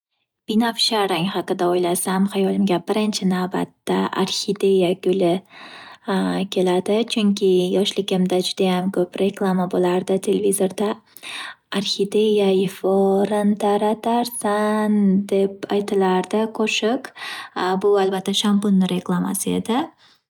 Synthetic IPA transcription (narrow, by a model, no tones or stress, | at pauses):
b̥inafʃaɾaŋhɑqɨd̪aojlasamhajɒlˠɪmɡʲabɪɾɪnt͡ʃʰɪnavba̰t̪ːaʔa̰ɾxid̪e̞jaɡʲʊlɪ | kʲʰe̞lad̪ɪt͡ʃʰʊŋkʲʰɪjɒʃlɪɡʲɪmd̪ad͡ʒʊd̪ajamkʰɵpɾe̞klˠamabolaɾd̪ɪt̪ʰe̞levizo̞ɾd̪a | aɾxid̪ejajɪfɒɾant̪ʰaɾat̪ʰaɾsand̪e̞pajt̪ʰɪlaɾd̪ɪqʰoʃɪk | bʊalbat̪ʰːaʃambʊnːɪɾe̞klˠama̰sɪe̞̰d̪ɪ